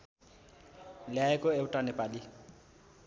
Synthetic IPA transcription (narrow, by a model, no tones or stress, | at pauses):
lɪaɛkʼɔeʊtʼanɛpʼalɪ